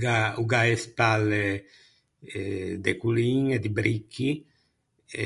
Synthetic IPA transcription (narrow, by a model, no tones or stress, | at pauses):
ɡauɡaespalːe | d̪ekuliŋɛd̪ibɾikʰːi